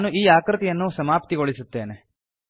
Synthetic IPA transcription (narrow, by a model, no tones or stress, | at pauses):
nuʔiːaːkɾɨt̪ijɐnːusɐmaːpt̪iɡoɭisut̪ːe̞ːne